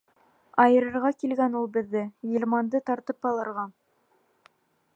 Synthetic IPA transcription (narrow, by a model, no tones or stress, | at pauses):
ɑjɤ̆ɾɤ̆ɾʁɑkilɡænulˠbɘ̆ðːɘjɤ̆lʲmɑnd̪ɤt̪ɑɾt̪ɤpɑlˠɤ̆ɾʁɑ